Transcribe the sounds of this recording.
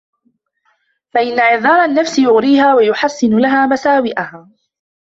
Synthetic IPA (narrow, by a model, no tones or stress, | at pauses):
faʔɪnːaʕɪðˤɑːɾˤanːafsɪjʊɣɾiːhaːwajʊħasːɪnʊlaɦaːmasaːwɪʔahaː